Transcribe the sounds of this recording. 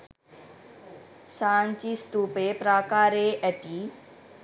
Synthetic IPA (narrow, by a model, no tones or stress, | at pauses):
saːnt͡ʃiːst̪uːpepɾaːkaːɾeːʔɛt̪iː